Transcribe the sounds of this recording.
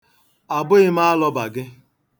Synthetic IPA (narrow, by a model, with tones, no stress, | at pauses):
a˨bʊ˦ɪ˦m˦a˦lɔ˦ba˨ɡɪ˦